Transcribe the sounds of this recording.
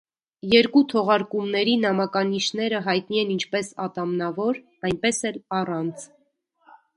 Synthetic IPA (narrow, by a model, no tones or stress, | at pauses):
jɛɾkut̪ʰɔʁɑɾkumnɛɾinɑmɑkɑniʃnɛɾəɦɑjt̪niɛnint͡ʃʰpɛsɑt̪ɑmnɑvɔɾ | ɑjnpɛsɛlɑrɑnt͡sʰ